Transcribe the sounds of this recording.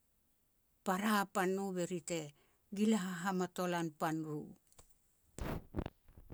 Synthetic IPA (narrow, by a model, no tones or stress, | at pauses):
paɾapanːuβeɾite | ɡilaɦaɦamato̞lanpanɾu